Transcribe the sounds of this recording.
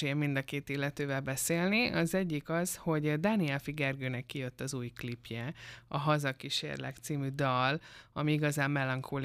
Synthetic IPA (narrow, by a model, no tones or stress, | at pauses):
ejɛmind̪ɒkeːt̪ilːɛt̪øːvɛlbɛseːlniʔɒzɛɟːikɒz̥ho̞ɟd̪aːniɛlfiɡɛrɡøːnɛkːijø̞t̪ːɒzuːjklipjɛɒɦɒzɒkiʃḛrlɛ̰kt̪siːmyd̪ɒlɒ̰miiɡɒzaːmːɛlɒŋkʰol